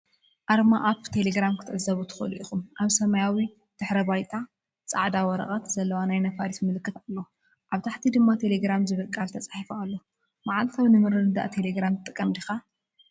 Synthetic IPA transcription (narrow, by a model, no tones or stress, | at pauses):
ʔaɾmaʔapt̪ʰe̞leɡɾamkʰɨt̪ʰɨʕɨzɐβut̪ʰɨ̥xɐ̰lḭʔixumʔaβsɐmajawi | d̪̥ɨħɾɐbajt̪ʼa | t͡sʼa̰ʕd̪awɔɾɐ̰χʼɐt̪z̥ɐlːɐwanajnɐfaɾismɨlɨkːɨt̪alːɐ | ʔaβt̪ʰaħt̪ʰid̪ɨmːat̪ʰe̞leɡɾamzɨβɐkʼːalt̪ʰɐt͡sʼḁħifualːo | maʕalt̪ʰawnɨmɨɾɨnɨd̪a̰ʔt̪ʰe̞leɡɾamt̪ʼɨkʼːɐmd̪ixa